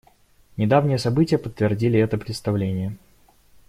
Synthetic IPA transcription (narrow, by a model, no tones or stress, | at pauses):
nʲɪd̪avnʲɪjəsɐbɨtʲɪjəpət̪ːvʲɪrdʲilʲɪɛt̪əpɾʲɪt̪st̪ɐvlʲenʲɪjə